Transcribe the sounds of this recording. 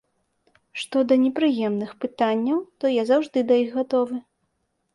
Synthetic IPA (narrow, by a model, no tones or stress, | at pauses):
ʂt̪ɔd̪ɐnʲɛpɾɨjɛmnɨxpɨt̪anʲːɐwt̪ɔjazawʐd̪ɨd̪ɐiɣɣat̪ɔvɨ